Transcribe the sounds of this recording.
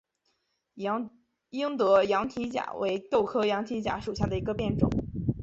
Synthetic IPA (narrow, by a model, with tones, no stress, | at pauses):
i˥ŋt̪ɤ˧˥jɑ˧˥ŋt̪ʰi˧˥t͡ɕja̰˨˩we˧˥ɪt̪o˥˩ʊkʰɤ˥jɑ˧˥ŋt̪ʰi˧˥t͡ɕja̰˧˥ʂu˨˩ɕja˥˩d̪ə˩i˧˥ɡə˧pjɛ˥˩nʈ͡ʂʊ̰˨˩˦ŋ